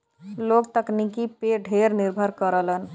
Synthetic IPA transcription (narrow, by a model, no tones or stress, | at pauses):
lokt̪əknikipeɖʱeɾniɾbʱəɾkəɾələn